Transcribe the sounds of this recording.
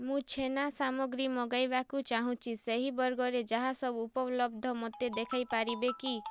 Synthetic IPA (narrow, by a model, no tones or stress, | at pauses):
mũt͡ʃʰenasamɔɡɾimɔɡajbakut͡ʃaɦũt͡ʃʰiseɦibɔɾɡɔɾed͡ʒaɦasɔbuːpɔblɔbd̪ʱɔmɔt̪ːed̪ekʰajpaɾibeki